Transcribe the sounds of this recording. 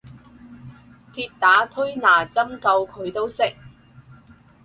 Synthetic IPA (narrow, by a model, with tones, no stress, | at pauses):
kʰiː˧t̚t̪aː˨˥t̪ʰɵ˥ɥnaː˨˩t͡sɐ˥mkɐ˧wkʰɵ˨˧ɥt̪o˥wsɪ˥k̚